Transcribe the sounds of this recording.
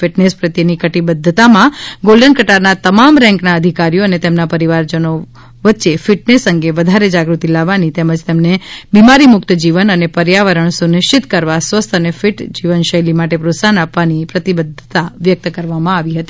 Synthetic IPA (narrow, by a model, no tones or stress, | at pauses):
fɪʈnespɾət̪jənikəʈibəd̪ʱːət̪amãɡolɖənkəʈaɾnat̪əmamɾɛ̃ŋknaəd̪ʱikaɾijoənet̪emnapəɾiʋaɾd͡ʒəno | ʋət̪ːʃefɪʈnesə̃ŋɡeʋəd̪ʱaɾed͡ʒaɡɾut̪ilaʋːanit̪eməd͡ʒt̪emnebimaɾimʊkt̪d͡ʒiʋənənepəɾjaʋəɾəɳsunɪʃt͡ʃɪt̪kəɾʋasʋəst̪ʰənefɪʈd͡ʒiʋənʃəjlimaʈepɾosanapʋanipɾət̪ibəd̪ʱːət̪aʋjək̚t̪kəɾʋamãaʋiɦət̪i̥